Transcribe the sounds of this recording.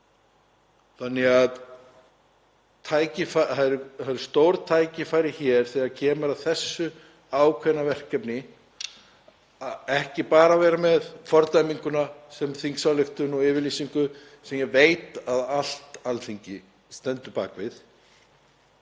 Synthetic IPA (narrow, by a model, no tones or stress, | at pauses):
θanːɛɣað | t̪ʰaːjcɪfaθaðɾθaðɪɾ̥st̪oːwɾt̪ʰaːjcɪfaːjɾɪçɛɾ̥θɛːacʰɛːmʏɾaðθɛsːʏ | aːwkʰvɛnːavɛr̥cɛpnɪ | aɛhcɪpaːɾavɛːɾamɛðfɔɾt̪ajmiŋkʏnasɛmθiŋksalɪxt̪ʏnɔɪːvɪɾliːsiŋkʏ | sɛmjɛvejt̪aðal̥t̪alθiɲcɪ | st̪ɛnt̪ʏpa̰ːkvɪð